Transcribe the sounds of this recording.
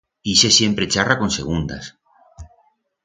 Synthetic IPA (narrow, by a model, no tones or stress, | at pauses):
isesje̞mpɾe̞t͡ʃarako̞nse̞̰ɣ̞und̪a̰s